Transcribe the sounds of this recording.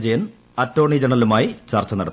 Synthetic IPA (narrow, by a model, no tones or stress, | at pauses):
d͡ʑɐjɐn | ɐtːo̞ːɳid͡ʑɐɳɐlumaːjit͡ɕɐrt͡ɕːɐnɐɽɐt̪ː